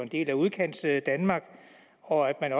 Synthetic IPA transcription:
e̝nd̥e̝̰ːlæuð̞ˠkʰen̰d̥sd̥ænmɑ̈ːɡ̥ | ɒ̽æd̥mænɒ

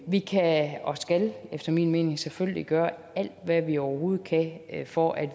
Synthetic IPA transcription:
ʋikʰæɒ̽sɡ̥ælefd̥ɐmḭːnme̝ːne̝ŋseføljliɡ̥ɶːɐ | æl̰d̥ʋæʋiɒʊɐho̝ːð̞̩ˠkʰæfɒʔæd̥

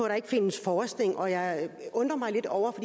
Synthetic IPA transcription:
ɒɾ̥ɑ̈e̝ɡ̥fe̝nəsfɒːsd̥eŋʔɒ̽jɑ̈ɪɔ̽nd̥ʁɐmɑ̈ɪle̝d̥ɒʊ̰ɐfɒ̽d̥i

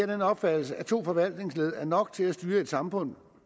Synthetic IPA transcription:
ɐ̰ɾ̥enɒ̽b̥fæd̥l̩səæt͡sʰo̝̰ːfɒ̽ʋæl̰d̥ne̝ŋsle̝ð̞ˠæɐnɒ̽ɡ̥̚t͡sʰe̝læsd̥yːɐe̝d̥sɑ̈mfɔ̽n̰̥

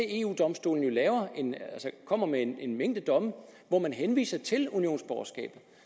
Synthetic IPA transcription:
ee̝ṵːd̥ɒ̽msd̥o̝̰ːln̩jo̝lɛːʊɐe̝nælsɐkʰɒ̽m̰ɐmeene̝nmeŋ̰d̥əd̥ɒ̽mə | ʋɒmænɦenʋḭːsɐt͡sʰe̝lunio̝̰ːn̩sb̥ɒ̰ʊɐsɡ̥ɛ̰ːb̥ð̩ˠ

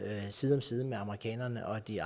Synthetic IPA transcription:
siːð̞̩ˠɒmsiːð̞ˠmeɑ̈məʁikʰɛ̰ːnɐnəʔɒ̽d̥iɑ

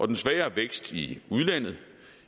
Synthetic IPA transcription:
ʔɒ̽d̥ensʋɛːɐːʋeɡ̥sd̥iuð̞ˠlæn̰ð̞̩ˠ

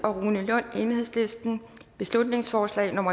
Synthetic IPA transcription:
ɒ̽ʁuːnəlɔn̰e̝ːnəhe̝ðˠslesd̥n̩b̥e̝slud̥ne̝ŋsfɒːslɛ̰ɪno̽mɐ

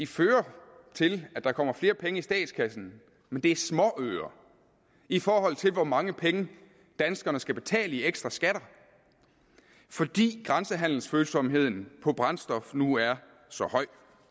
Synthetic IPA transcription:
iføːɐ | t͡sʰe̝læd̥ɑ̈kʰɒ̽m̰ɐfle̝ːɐpʰeŋəisd̥ɛ̰ːd̥skʰæsn̩ | mend̥e̝æɐsmɒ̽ʔøːɐ | ifɒːɦɒ̽l̰t͡sʰe̝lʋɒmɑ̈ŋəpʰeŋə | d̥ænsɡ̥ɐnəsɡ̥æb̥e̝t͡sʰɛ̰ːləieɡ̥sd̥ʁɑsɡ̥æɾ̥ɐ | fɒ̽d̥ḭːɡ̥ʁɑ̈nsəɦæn̰l̩sføːlsɒ̽mɦe̝ð̰ˠn̩pʰɒ̽b̥ʁɑ̈nsd̥ɒ̽fnuæɐ | sɒ̽hɒ̽ɪ̰

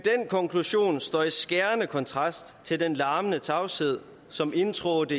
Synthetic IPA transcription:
d̥enkʰɒ̽ŋkʰluɕo̝̰ːnsd̥ɒ̰ːisɡ̥æɐnəkʰɒ̽nt͡sʰʁɑ̈sd̥t͡sʰe̝ld̥enlɑ̈ːmənət͡sʰɑ̈ʊseð̞̰ˠ | sɒ̽me̝nt͡sʰʁoːd̥ə

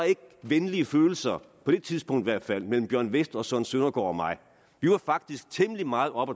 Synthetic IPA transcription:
e̝ɡ̥̚ʋenliəføːl̩sɐpʰɒ̽d̥e̝t͡sʰiðˠsb̥ɔ̽ŋ̰d̥ʋæɐ̰d̥fæl̰mel̰m̩b̥jɶɐ̰nʋesd̥ɒ̽sœnsønɐɡ̥ɒ̰ːɒmɑ̈ɪ | ʋiʋɑ̈fɑ̈ɡ̥̚d̥isɡ̥̚t͡sʰeməlimɑ̈ːð̩ˠɒ̽b̥ɒ

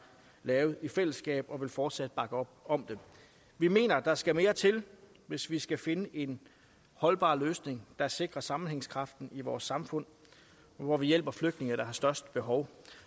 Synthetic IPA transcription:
lɛːʊð̩ˠifel̰əsɡ̥ɛ̰ːb̥ɒ̽ʋe̝lfɒːd̥sæd̥̚b̥ɑ̈ɡ̥əɒ̽b̥ɒ̽md̥e | ʋime̝̰ːnɐd̥ɑ̈sɡ̥æme̝ːɐt͡sʰe̝l | ʋe̝sʋisɡ̥æfe̝nəʔe̝n | hɒ̽lb̥ɑ̰̈ːløːsne̝ŋd̥ɑ̈se̝ɡ̥ʁɐsɑ̈mn̩eŋskʰʁɑ̈fd̥n̩iʋɒːsːɑ̈mfɔ̽n̰ | ʋɒʋijel̰b̥ɐfløɡ̥dne̝ŋd̥ɑ̈ɦɑ̈sd̥ɶɐsd̥əb̥e̝ɦɒʊ

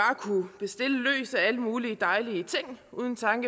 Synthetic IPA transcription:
ɑ̈ːkʰub̥e̝sd̥e̝ləlø̰ːsææləmuːliəd̥ɑ̈ɪliət͡sʰeŋ̰ʔuːð̞ˠn̩t͡sʰɑ̈ŋɡ̥ə

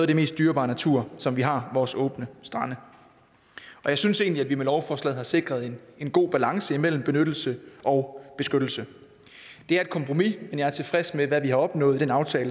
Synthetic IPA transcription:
nɔːðˠdeme̝ːsd̥yːɐb̥ɑ̈ːnæt͡sʰuɐ̰sɒ̽mʋiɦɑ̈ʋɒːsɔ̰̽ːb̥nəsd̥ʁɑ̈nə | ɒ̽jɑ̈ɪsynse̝̰ːnliæd̥ʋimelɒʊfɒːslɛ̰ːðˠhɑ̈se̝ɡ̥ʁɐð̞̩ˠenenɡ̥o̝̰ːb̥ælɑ̈ŋsəimel̰m̩b̥e̝nød̥l̩səʔɒ̽ʊb̥e̝sɡ̥ød̥l̩sə | d̥e̝æɐe̝d̥̚kʰɒ̽mpʰʁo̝mimenjɑ̈ɪæɐt͡sʰe̝fʁɛsmeʋæʋihɑ̈ɒ̽b̥nɔ̰̽ːð̩ˠd̥enɑ̈ʊt͡sʰɛːlə

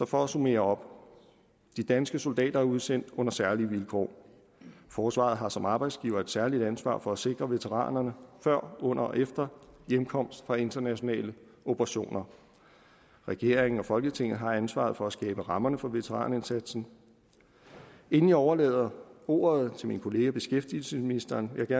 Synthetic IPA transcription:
sɒ̽fɒ̽æsume̝̰ːɐɒ̽b̥ | d̥id̥ænsɡ̥əso̝ld̥ɛ̰ːd̥ɐæɐuð̞ˠsen̰d̥ɔ̽n̰ɐsæɐliʋilkʰɒ̰ː | fɒːsʋɑ̰̈ð̩ˠɦɑ̈sɒ̽mɑ̈ːb̥ɑ̈ɪd̥sɡ̥ḭːʊɐːe̝d̥sæɐlid̥ænsʋɑ̰̈ːfɒ̽æse̝ɡ̥ʁɐʋe̝t͡sʰeʁɑ̰̈ːnɐnəfɶɐ̰ɔ̽n̰ɐʔefd̥ɐjemkʰɒ̽m̰sd̥fʁɑ̈e̝nd̥ɐnæɕo̝nɛ̰ːlə | opʰəʁɑ̈ɕo̝̰ːnɐ | ʁɛɡ̥e̝ɐ̰eŋn̩ɒ̽fɒ̽lɡ̥ət͡sʰe̝ŋ̰ð̩ˠɦɑ̈ænsʋɑ̰̈ðˠfɒ̽æsɡ̥ɛ̰ːb̥əʁɑ̈mɐnəfɒ̽ʋe̝t͡sʰeʁɑ̰̈ːne̝nsæd̥sn̩ | e̝n̩iɒʊɐlɛ̰ːðˠɐo̝̰ːɐð̞̩ˠt͡sʰe̝minkʰo̝le̝ːɡæb̥e̝sɡ̥efd̥il̩səsminisd̥ɐːnʋe̝ɑ̈ɡ̥æɐ

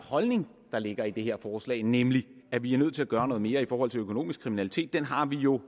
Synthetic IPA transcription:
hɒ̽lne̝ŋ | d̥ɑ̈le̝ɡ̥ɐid̥e̝ɦe̝ɐfɒːslɛ̰ːɪnemliæʋiæɐnøð̰ˠt͡sʰe̝læɡ̥ɶːɐnɔ̽ːð̞̩ˠme̝ːɐifɒːhɒ̽l̰t͡sʰe̝løkʰo̝no̝̰ːmisɡ̥kʰʁiminælit͡sʰe̝̰ːd̥ːenɦɑ̈ʋijo̝

